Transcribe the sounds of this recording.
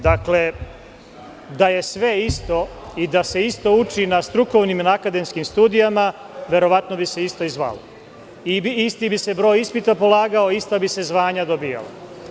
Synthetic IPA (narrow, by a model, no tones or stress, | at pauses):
d̪akle̞ | d̪aje̞sʋe̞ist̪o̞id̪ase̞ist̪o̞ut͡ʃinast̪ɾuko̞ʋnimnakad̪e̞mskimst̪uːd̪ijama | ʋe̞ɾo̞ʋat̪no̞bise̞ist̪o̞izʋa̰lo̰ | ibist̪ibise̞bɾo̞ːjispit̪apo̞lˠaːɡaoist̪abise̞zʋaːɲad̪obija̰la̰